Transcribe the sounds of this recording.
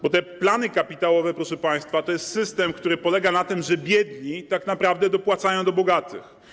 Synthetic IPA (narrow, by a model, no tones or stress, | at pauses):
bɔt̪ɛplanɘkapʲit̪awɔvɛpɾɔʂɛpaj̃st̪fat̪ɔjɛst̪sɘst̪ɛmkt̪uɾɘpɔlɛɡanat̪ɘmʐɛbʲjɛd̪ɲit̪aknapɾavd̪ɛd̪ɔpwat̪sajɔ̃w̃d̪ɔbɔɡat̪ɘ̰x